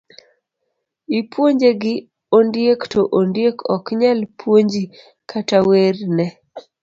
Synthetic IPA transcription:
ipwoɲd͡ʒeɡɪ | ondjektoʔondjekʰɔkɲalpʰwoɲd͡ʒi | kʰatawernɛ

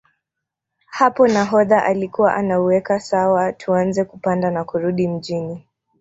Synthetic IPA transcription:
hapɔnaɦɔðaʔalikuwaʔanauwɛkasawatʰuanzɛkupandanakuɾuɗim̩ʄini

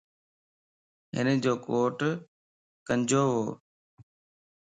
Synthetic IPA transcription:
ɦɪ̰nəd͡ʑoːkoːʈ | kənd͡ʑoːɦoː

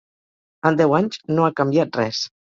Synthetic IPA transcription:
ənd̪ɛwaɲznoakəmbiat̪̚rɛs

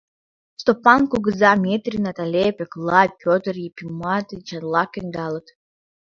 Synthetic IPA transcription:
stopʼankʷʰʼʊɡɨzaʕmʲetʼrinatʼalʲepʰʲʼeklad̚pʲʰotʼrjipʰʲimatʼɨt͡ʃʰarlakʰʲendalatʰʼ

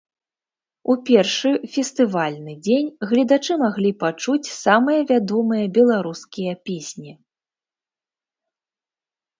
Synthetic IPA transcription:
upʲɛrʂɨfʲɛst̪ɨvalʲnɨd͡zʲenʲɣlʲid̪at͡ʂɨmaɣlʲipat͡ʂut͡sʲsamɨjɐvʲad̪ɔmɨjɐbʲɛlˠaɾuskʲijɐpʲesʲnʲi

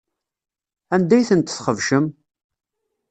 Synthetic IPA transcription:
ænd̪æjθənt̪θχəvʃəm

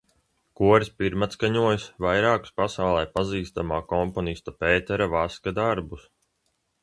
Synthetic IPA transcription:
kuɔɾspiɾmat̪skaɲuɔjsvajɾaːku̥spasawlˠɛjpaziːst̪amaːkɔmpɔnist̪apeːt̪ɛɾavaskad̪aɾbus

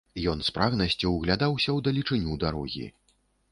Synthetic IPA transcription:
jɔnspɾaɣnɐsʲt͡sʲuwɣlʲad̪awsʲɐwd̪ɐlʲit͡ʂɨnʲud̪aɾɔɣʲḭ

